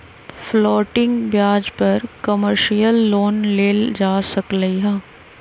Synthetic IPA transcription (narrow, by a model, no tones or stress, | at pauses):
flɔːʈɪ̃ŋɡbjaːd͡ʒpɐɾkɐməɾʃijəlːoːnleːld͡ʒaːsɐkləiɦãː